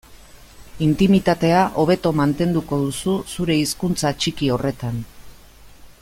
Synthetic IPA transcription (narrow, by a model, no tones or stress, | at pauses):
int̪imit̪at̪e̞aʔo̞β̞e̞t̪o̞mant̪e̞nd̪uko̞ð̞ususuɾe̞iskunt͡sat͡ʃikio̞re̞t̪an